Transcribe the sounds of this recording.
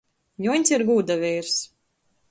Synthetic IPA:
juɲʲsiɾɡuːd̪avʲɛːɾs

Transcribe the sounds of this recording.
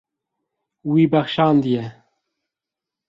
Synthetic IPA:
wiːbæxʃɑːnd̪ijɛ

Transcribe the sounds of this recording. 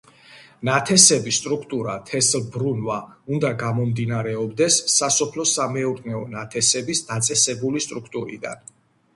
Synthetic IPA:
nat̪ʰɛsɛbisːt̪ʼɾukʰt̪ʼuɾat̪ʰɛslˠbɾunvaund̪aɡamɔmd̪inaɾɛɔbd̪ɛsːasɔpʰlɔsamɛuɾnɛɔnat̪ʰɛsɛbisd̪at̪sʼɛsɛbulist̪ʼɾukʰt̪ʼuɾḭd̪a̰n

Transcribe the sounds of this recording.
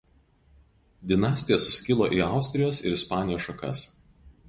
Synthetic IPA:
d̪ʲɪnɑːsʲt̪ʲɪjɛsʊsʲkʲɪlˠoːʔiːˑɑˑʊsʲt̪ʲɾʲɪjoːsɪ̰ɾɪspɑːnʲɪjoːʃɐkɐ̰s

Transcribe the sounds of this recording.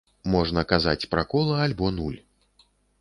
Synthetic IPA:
mɔʐnɐkaza̰t͡sʲpɾakɔlˠɐːlʲbɔnulʲ

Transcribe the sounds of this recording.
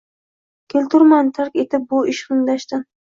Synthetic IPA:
kʲʰelt̪ʊɾmant̪ʰaɾkʲet̪ɪp̚bʊɪʃχɨŋd̪aʃt̪ɪn

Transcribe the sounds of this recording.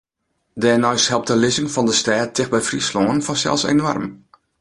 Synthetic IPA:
dɛːnɔɥshɛlˠp̚təlɪzɪŋfɔndəstɛːtʰːɪxbɛjfrisloːnfɔsɛ̰lˠsḛnwɔ̰rm

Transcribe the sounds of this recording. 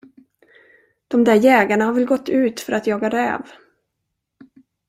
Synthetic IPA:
d̪̥ɔmd̪æːɾjɛːɡaɳahaɾvɛlɡɔt̪ʰːʉ̟ːt̪fœɾat̪jɑːɡad̪œ̰ːv

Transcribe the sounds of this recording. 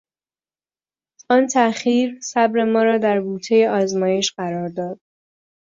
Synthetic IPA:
ɒːnt̪ʰæxiːɾsæbɾe̞mɒːɾɒːd̪æɾɡuːt̪ʰe̞je̞ʔɒːzmɒːje̞ʃɢæɾɒːɾd̪ɒːd̪̥

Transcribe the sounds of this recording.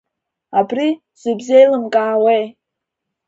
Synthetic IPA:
abri | z̥ɨbzejlɨmkʼaːwej

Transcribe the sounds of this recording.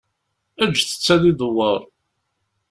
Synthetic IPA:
æd͡ʒːθə̥t͡sːæðiðəwːəɾˤ

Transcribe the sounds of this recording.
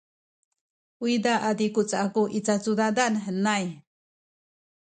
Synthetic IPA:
uid̪aʔad̪ikut͡saʔakuʔit͡sat͡sud̪ad̪anɦənaj

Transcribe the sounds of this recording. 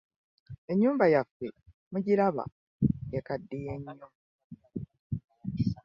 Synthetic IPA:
e̞ɲːuːmbajafːe | muɟilaβa̰ | jekadːijeɲːo

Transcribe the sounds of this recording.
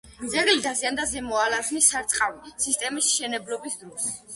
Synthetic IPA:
d̪zɛɡlid̪aziand̪azɛmɔalaznisaɾt̪sʼqʼavisist̪ʼɛmisʃɛnɛblɔbisd̪ɾɔs

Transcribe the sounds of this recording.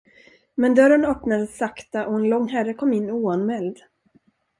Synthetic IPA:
mɛnd̪œɾənœpnad̪əsakt̪aʔɔɛnlɔŋːɦærəkʰɔmːɪnːuːanmɛld̪

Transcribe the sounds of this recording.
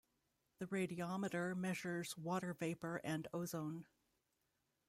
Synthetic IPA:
ðɨɹeɪɾiɑmɨɾə˞mɛʒə˞zwɔɾə˞veɪpə˞ʔɨ̃ndoʊzõʊ̃n

